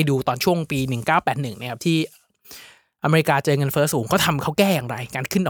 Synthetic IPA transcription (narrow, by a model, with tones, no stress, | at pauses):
jduː˧t̪ɔː˨˩nt͡ɕʰu˥˩əŋpiː˧nɯ˨˩ŋkaː˥˩wpɛː˨˩t̪̚nɯ˨˩ŋn˦˥˩kʰa˦˥t̪ʰiː˥˩ | ʔa˧me˧ɾi˧kaː˧t͡ɕɤː˧ŋɤ˧nfɤː˦˥suː˩˦ŋkʰaː˦˥˩t̪ʰa˧mkʰa˦˥wkɛː˥˩jaː˨˩ŋɾa˧jkaː˧nkʰɯ˥˩ndɔː˨˩